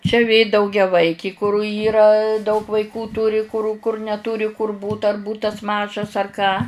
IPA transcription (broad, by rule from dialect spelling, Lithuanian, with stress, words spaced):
t͡ʃʲɛ ʋʲeː dɐʊɡʲɛˈʋɐɪkʲɪ kʊr ˈiːrɐ dɐʊk ʋɐɪˈkuː ˈtuːrʲɪ kʊr kʊr nʲɛˈtuːrʲɪ kʊr ˈbuːt ɐr ˈbuːtɐs ˈmɑːʒɐs ɐr ˈkɑː